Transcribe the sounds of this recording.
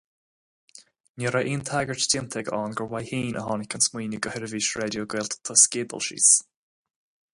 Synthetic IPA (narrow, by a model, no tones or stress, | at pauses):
nəɾaʔiːnt̪ʰaɡəɹtdɪmt̪ʰɛɡɔːnɡəwajhiːnʔə̰ɦɔnɪkʰənsmwiːnəɡəhɪɾəviːʃɹɛdjoɡɪlt̪t̪ʰɔskeːbə̰lˠʃḭːs